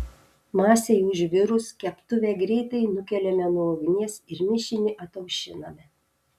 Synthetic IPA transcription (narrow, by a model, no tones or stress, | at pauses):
mɑːsʲɛjʊʒʲʋʲɪɾʊskʲɛpt̪ʊʋʲeːɡɾʲɛɪt̪ɐɪnʊkʲɛlʲɛmʲɛnuoːʋʲɪnʲiɛsɪɾmʲɪʃʲɪnʲɪʔɐt̪ɐʊʃʲɪnɐmʲɛ